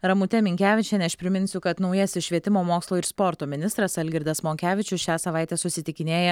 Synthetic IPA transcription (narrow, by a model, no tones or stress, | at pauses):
ɾɐmʊt̪ʲɛmʲɪŋʲkʲæːʋʲɪt͡ʃʲɛnʲɛʃpʲɾʲɪmʲɪnʲsʲʊkɐt̪nɒʊjɛsʲɪʃʲʋʲiɛt̪ʲɪmoːmoːkslˠoːɪɾspɔɾt̪oːmʲɪnʲɪst̪ɾɐsɐlʲɡʲɪɾʲd̪ɐsmoːŋʲkʲæːʋʲɪt͡ʃʲʊsʃʲæːsɐʋɑɪt̪ʲɛsʊsʲɪt̪ʲɪkʲɪnʲeːjɛ